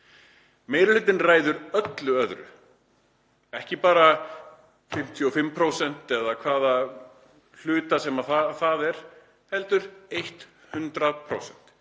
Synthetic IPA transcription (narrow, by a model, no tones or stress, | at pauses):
meːjɾɪl̥ʏːt̪ːɪnraːjðʏɾœt̪lʏœðɾʏ̰ | ɛhcɪpaːɾa | fɪm̥t̪ʰjʏɔfɪmːpʰɾowsɛn̥t̪ɛðakʰvaːða | l̥ʏːt̪asɛmaθaθaðɛɾ̥ | hɛlt̪ʏɾejht̪ | hʏnt̪ɾaðpʰɾo̰wsɛn̥t̪